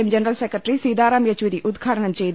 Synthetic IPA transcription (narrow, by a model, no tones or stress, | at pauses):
md͡ʒɐnɐɾɐlsekɐʈɾisiːd̪aːɾaːmjɐt͡ʃʋiɾiʔud̪ɡʱaːʈɐɳɐmt͡ɕejd̪